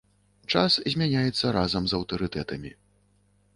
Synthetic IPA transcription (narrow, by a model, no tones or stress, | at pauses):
t͡ʂaszʲmʲanʲajɛt̪sːɐɾazɐmzɐwt̪ɔɾɨt̪ɛt̪ɐmʲi